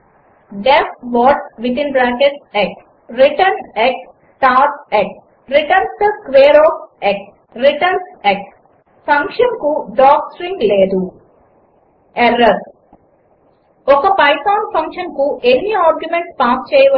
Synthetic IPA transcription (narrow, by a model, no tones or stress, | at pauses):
ɖepʋɔːʈʋit̪inbɾaːkeʈsek | ɾiʈɐnek | sʈaːɾʈek̚ | ɾiʈɐnsʈ̪ɐskʋeːɾɔːfek | ɾiʈɐnseks | fɐŋkʂɐnkuɖɔːksɾiŋɡleːd̪u | eɾɐɾ | ɔkɐpɐjsaːnpʰɐŋkʂɐnkuʔenːiaːɾɡjumeɳʈspaːst͡ʃɛːjɐʋɐ